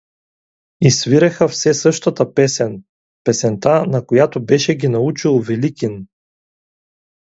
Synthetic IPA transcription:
isviɾɛxɐfsɛsɤʃt̪ɐt̪ɐpɛsɛn | pɛsɛnt̪anɐkojat̪obɛʃɛɡʲinɐut͡ʃilˠvɛlikʲin

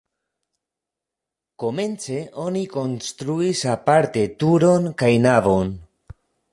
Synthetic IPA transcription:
ko̞mẽ̞nt͡se̞ʔo̞niko̞nst̪ɾuisapaɾt̪e̞t̪uɾo̞nkajnavo̞n

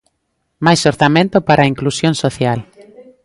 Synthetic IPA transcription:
majsoɾθamẽnt̪ʊpaɾaiŋklusjõnsoθjal

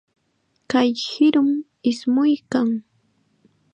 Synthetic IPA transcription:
kajhɪɾʊm | ɪsmʊjkaŋ

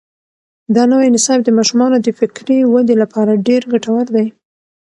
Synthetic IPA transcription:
d̪ɑnawajnɪsɑb̚d̪əmɑʃumɑnod̪əfɪkɾiwad̪elapʰɑɾaɖeɾɡaʈawaɾd̪aj

